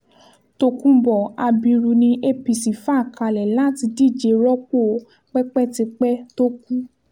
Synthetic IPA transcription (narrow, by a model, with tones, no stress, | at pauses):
to˦˨kũ˦bɔ˨a˧bi˧ɾu˧nĩ˧ʔe˧pi˨sĩ˨fa˦˨ka˧˨lɛ˨la˦ti˧di˦˨d͡ʒe˧ɾɔ˦k͡po˦˨ | k͡pɛ˦k͡pɛ˦ti˧k͡pɛ˦to˦kũ˦